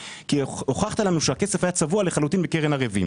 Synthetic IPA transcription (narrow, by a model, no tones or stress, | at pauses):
kioχaχt̪alamiʃuakesefajat͡savualeχalut̪inbekeʁenaʁevḭm